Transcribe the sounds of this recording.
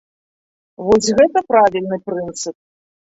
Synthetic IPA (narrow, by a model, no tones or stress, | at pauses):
vɔsʲɣɛt̪ɐpɾavʲilʲnɨpɾɨnt̪sɨp̚